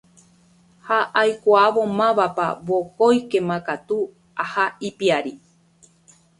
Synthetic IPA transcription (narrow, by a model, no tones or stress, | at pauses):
haʔajkʷaaʋomãʋapa̰βokojkemãkat̪u | ahaipiaɾi